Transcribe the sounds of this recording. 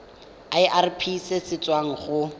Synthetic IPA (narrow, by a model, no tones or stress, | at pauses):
aɪʔarpʰisesɪt͡sʼwaŋ̩χʊ